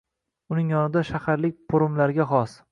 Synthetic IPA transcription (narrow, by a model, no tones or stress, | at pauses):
ʊnɪŋjɒnɪd̪aʃahaɾlɪk̚ʲpʰoɾʊmlaɾɪɡʲaχɒs